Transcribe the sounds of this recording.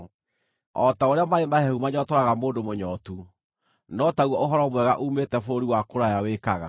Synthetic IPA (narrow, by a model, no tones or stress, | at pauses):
ɔtaoɾeamaemahɛumaɲɔtɔɾaɣamoːndomoɲɔtu | nɔtauwɔoɦɔɾɔmwɛɣaʔumetɛfooɾiwakoɾajaweːkaɣa̰